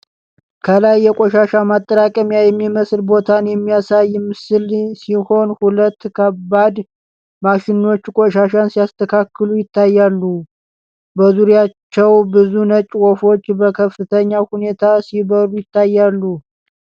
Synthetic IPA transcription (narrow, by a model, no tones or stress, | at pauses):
kʰəlajːɛkʷʼoʃaʃamat̪ʼːəɾakʼəmjajɛmːiməsɨlbo̞t̪ʰanjɛmːijasajːmːɨsɨlsiho̞nhulət̪ːkʰəbad̪ | maʃɪno̞t͡ʃːkʼoʃaʃansijast̪ʰəkʰakːɨlujɪt̪ʰːajːalːu | bəzuɾjat͡ʃːɛwbɨzunət͡ʃʼwo̞fo̞t͡ʃːbəkʰəfɨt̪ʰəɲːahune̞t̪ʰasiβəɾujɪt̪ʰːajːalːu